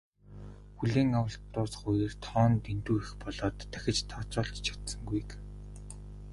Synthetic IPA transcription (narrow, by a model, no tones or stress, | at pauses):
xuɮeːŋawə̆ɬt̪ʊːsχʊjeːrt̪ʰɔːnt̪ent̪uːixpɔɮɔːt̪ʰːæxʲɪ̆t͡ɕt̪ʰɔːt͡sɔːɮt̪t͡ɕʰḁt̪sə̆ŋɡuj̆k